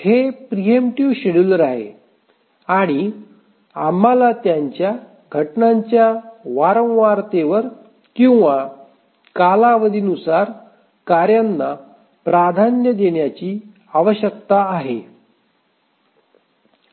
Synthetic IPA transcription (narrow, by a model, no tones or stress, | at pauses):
hepɾijemʈuʋɕeɽulɾaɦḛ | aɽ̃i | am̤alat̪jaɲt͡ɕja | ɡʱəʈnaɲt͡ɕjaʋaɾə̃wʋaɾt̪eʋəɾ | kĩw̃ʋa | kalaʋəd̪ʱiːnusaɾ | kaɾjanːa | pɾad̪ʱanjəd̪eɳjat͡ɕiː | aʋəɕjək̚t̪aːɦḛ